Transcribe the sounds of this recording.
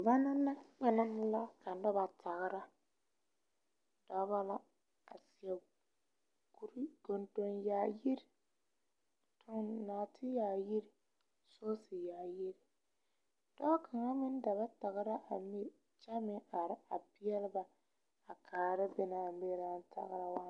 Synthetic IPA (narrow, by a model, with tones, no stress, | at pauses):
ba˦na˦na˦k͡pa˨na˦mʊ˦la˦ka˨n˦da˦ba˨tʰa˨ɣɪ˨ɾa˦ | d̥ɔ˦ba˦la˦ | a˨sɪ˨ɛ˨ | ɡu˨ɾi˦ɡ̥o˨nto˨njaː˨ji˦ɾi˨ | tʰo˨nnaː˨tʰɪ˦ja˨ji˦ɾi˨ | so˦sɪ˨jaː˨ji˦ɾi˨ | d̥ɔ˦kʰa˨ŋa˦mɪ˦n˦da˨ba˦ta˨ɣɪ˦ɾa˦ʔa˨mi˦ | t͡ʃɛ˦mɪ̃˦a˨˦a˨pɪ˦ɛ˦lɪ˦ba˨ | a˨kʰaː˨ɾɪ˦bɛ˦na˨m˦be˦ɾa˦n˦ta̰˨ɣɾa˦wa˦